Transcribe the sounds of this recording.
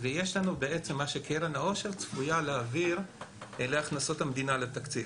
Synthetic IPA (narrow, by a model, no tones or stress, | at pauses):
veje̞ʃlanubeet͡se̞mːaʃekeɾanao̞ʃe̞ʁt͡sfujaleaviʁeleaχnaso̞thamd̪inalet̪akt͡sil